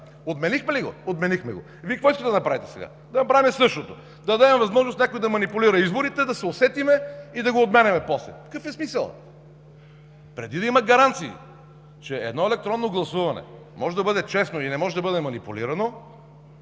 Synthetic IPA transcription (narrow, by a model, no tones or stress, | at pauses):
od̪mɛnixmɛliɡo̰od̪mɛnixmɛɡo̰ | vikɐkvɔiskət̪ɛd̪ɐnɐpɾavit̪ɛ̥sɛɡa̰ | d̪ɐnɐpɾavimɛsɤʃt̪ot̪o | d̪ɐd̪ad̪ɛmɛvɐzmɔʒnost̪nʲakojd̪ɐmɐnipuliɾɐizboɾit̪ɛd̪ɐsɛosɛt̪imɛid̪ɐɡoːd̪mʲɛnɛmɛpɔslɛ̰kəfɛsmisəlˠ | pɾɛd̪id̪ɐimɐɡɐɾant̪sḭː | t͡ʃɛɛ̰d̪nɔɛlɛk̚t̪ɾɔnːoɡlˠɐsuvɐnɛ̰ | mɔʒɛd̪ɐbɤd̪ɛt͡ʃɛsnoinɛmɔʒɛd̪ɐbɤd̪ɛmɐnipulḭɾɐno